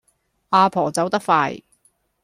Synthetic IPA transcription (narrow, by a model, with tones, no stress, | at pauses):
ʔaː˧pʰɔː˨˩t͡sɐ˨˥wt̪ɐ˥k̚faː˧j